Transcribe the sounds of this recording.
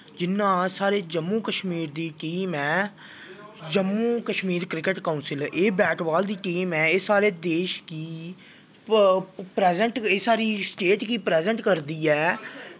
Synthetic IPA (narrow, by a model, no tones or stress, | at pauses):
d͡ʒɪnːãːsaːɾeːd͡ʒəmːũːkəʃmiːɾd̪iːʈiːmɛː | d͡ʒəmːuːkəʃmiːɾkɾɪkəʈkaunsɪleːbɛːʈbaːld̪iːʈiːmɛːeːsaːɾeːd̪eːʃkiː | pɾɛːzəɳʈeːsaːɾiːsʈeːʈkiːpɾɛːzəɳʈkəɾd̪iːɛː